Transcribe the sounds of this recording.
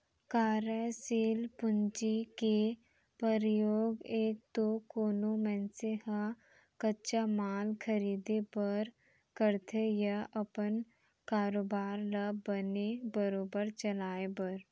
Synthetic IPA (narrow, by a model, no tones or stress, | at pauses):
kaːɾəsiːlpʊɲt͡ʃike | pəɾjoːɡeːk̚t̪okoːnomɛ̃ːnsehã | kətːt͡ʃamaːlkʰəɾiːd̪epəɾ | kəɾt̪ʰejaʔɐpən | kaːɾoːbaːɾlabənebəɾoːbəɾt͡ʃɐlaːebɐɾ